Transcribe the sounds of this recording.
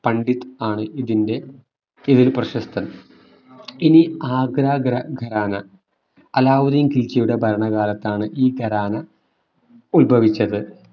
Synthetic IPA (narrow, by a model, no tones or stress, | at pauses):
pɐɳɖit̪ːɨaːɳɨiðinde̞ | iðilprɐɕɐst̪ʰɐn | iniaːɡɾaːɡɾɐɡʱɐɾaːnɐ̰ | ɐlaːʋuðijmkilt͡ɕːɐjuɽebʱɐɾɐɳɐɣaːlɐt̪ːaːɳɨʔiːɡʱɐɾaːnɐ | ulbʱɐʋit͡ɕːɐðɨ